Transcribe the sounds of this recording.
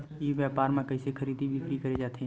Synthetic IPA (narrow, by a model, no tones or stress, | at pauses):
jiʋjaːpaːɾmẽkəɪsekʰəɾiːd̪ibʱikɾikəɾed͡ʒaːt̪ʰe